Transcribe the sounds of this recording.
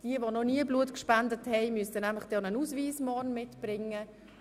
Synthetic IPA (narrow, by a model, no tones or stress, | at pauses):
d̥iəvonɔniəbluətkʃpandəthɛɪmyəstənæmlɪχd̥ɔnənusviːsmɔːnmɪtb̥rɪŋːə